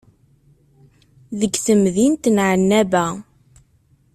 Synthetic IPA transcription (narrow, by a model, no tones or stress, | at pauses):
ðəɡθəmðint̪nʕənːæbæ